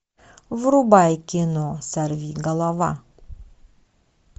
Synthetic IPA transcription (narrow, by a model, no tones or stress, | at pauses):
vɾubajkʲinosaɾvʲiɡalˠava̰